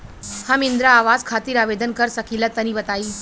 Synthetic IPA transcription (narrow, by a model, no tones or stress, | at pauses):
hamind̪ɾaːʋad͡zkʰat̪iːɾaʋed̪ənkəɾsəkʰilat̪əniːbət̪aiː